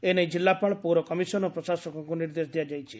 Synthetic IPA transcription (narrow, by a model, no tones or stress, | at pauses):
eneĩd͡ʒilːapaɭpuɾɔkɔmisɔnɔpɾɔsasɔkɔkuniɾd̪esd̪ijad͡ʒajt͡ʃʰi̥